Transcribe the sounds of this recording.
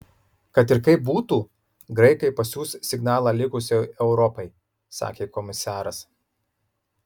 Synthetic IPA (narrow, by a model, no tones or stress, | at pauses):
kɐt̪ɪɾkɐɪp̚buːt̪uː | ɡɾɐɪkɐɪpɐsʲuːssʲɪɡnɑːlˠɑːlʲɪkʊsʲɪɛʊɾɔpɐɪ | sɑ̰ːkʲeːkɔmʲɪsɑːɾɐs